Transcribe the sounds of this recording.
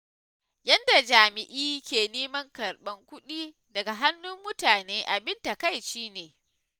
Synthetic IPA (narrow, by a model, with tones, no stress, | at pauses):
jɐ˦nda˨d͡ʒaː˨mɪ˨ʔiː˦kʲeː˨neː˦mɐ˦ŋkɐ˨rɓɐ˦ŋkʷʊ˦ɗiː˦ | dɐ˨ɡa˨ɦa˦nːʊ˦mːʊ˦taː˨neː˦ʔa˨bɪ˦nta˨ka˦˨jʃiː˦neː˨